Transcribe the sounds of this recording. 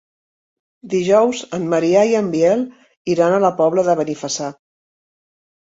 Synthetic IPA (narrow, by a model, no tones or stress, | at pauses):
d̪iʒɔwzənːəɾiaiəmbiɛl | iɾanələpɔβləðəβənifəsa